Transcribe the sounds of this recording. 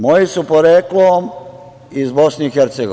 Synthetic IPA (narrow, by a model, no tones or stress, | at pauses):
mojisupoɾeklom | izbosneixeɾt̪seɡo